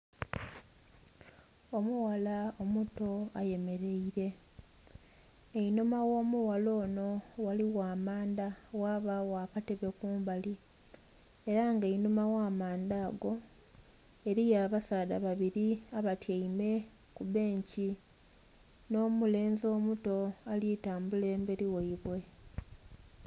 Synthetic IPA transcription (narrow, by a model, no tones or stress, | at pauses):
o̞muwalao̞muto̞aje̞me̞ɾe̞iɾe̞ | einumawo̞ːmuwalo̞ːno̞waliwaːmaːndawaːβawakate̞βe̞kuːmbali | eɾaŋɡeinumawaːmaːnd̪aːɡo̞ | eɾijaːβasaːda̰βaβiɾiaβatjaime̞ | kuβe̞ːɲci | no̞ːmule̞ːnzo̞ːmuto̞aliːtaːmbule̞ːmbeɾiweiβwe̞